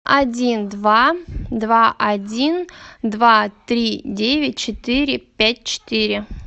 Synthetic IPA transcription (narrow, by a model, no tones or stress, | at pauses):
ɐdʲind̪vad̪vaʔɐdʲind̪vat̪ɾʲidʲevʲɪt̚ʲt͡ɕɪt̪ɨɾʲɪpʲæt̚ʲt͡ɕɪ̥t̪ɨɾʲɪ